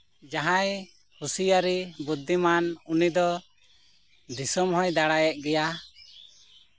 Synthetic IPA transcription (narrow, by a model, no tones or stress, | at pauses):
d͡ʒaɦãj | husijaɾibud̪ːimanunid̪ɔ | d̪isɔmɦɔjd̪aɽajɛʔ̚ɡɛja